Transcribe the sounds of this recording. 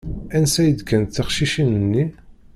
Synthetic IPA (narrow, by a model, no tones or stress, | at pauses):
ænsæjəd̪kʰːænθəχʃiʃinənːi